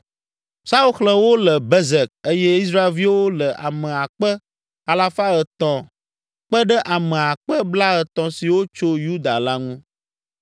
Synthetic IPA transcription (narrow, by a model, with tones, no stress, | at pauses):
sa˦u˦xlɛ̃˦wo˦lə˨bɛ˦zɛ˨k̚e˦jɛ˦i˦s̬ɾa˦e˦lvi˦wo˦lə˨ʔa̰˨mə̃˨a˨k͡pə˦ | a˨la˦fa˦ə˨t̪ɔ̃˨ | k͡pə˦ɖə˦ʔa˨mə̃˨a˨k͡pə˦bla˦ə˨t̪ɔ̃˦si˨wo˦t͡ʃo˦ju˦d̪a˨la˦ŋũ˦